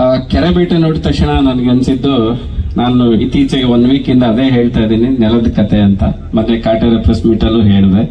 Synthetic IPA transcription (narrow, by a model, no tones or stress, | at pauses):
kɛɾɐbiʈɐnoːɽit̪ɐkʂɳɐnɐnɐɡeɐnsid̪ːu | naːnuit̪iːt͡ʃɐɡeond̪ʋiːkind̪ɐːd̪e̞ːɦe̞ːɭt̪ajd̪iːninɛlɐd̪kɐt̪ʰeɐnt̪ɐ̰ | mɐt̪ːekaːʈɐɾɐpɾɐsmiʈɐlːuɦeːɽid̪e